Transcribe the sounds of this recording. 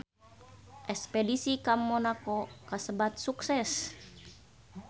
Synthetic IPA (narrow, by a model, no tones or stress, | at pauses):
ʔɛspɛdisikamːonakokasəbat̪̚suksɛs